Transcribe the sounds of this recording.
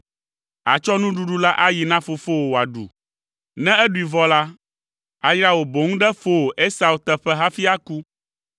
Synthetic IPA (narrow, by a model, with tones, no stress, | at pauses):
a̰˨t͡ʃɔ˦nũ˦ɖu˦ɖu˦la˦ʔa˦ji˨nã˦fo˨fo˦o˨wo˨a˨ɖṵ˨ | nɛ̃˦ɛ˦ɖu˨i˨vɔ˦la˦ | a˨jɾa˦wo˨bo˨ŋũ˦ɖɛ˦fo˦˨ʔe˦sa˨u˨t̪ɛ˦ɸɛ˦ɦa˦fi˦a˦ku˦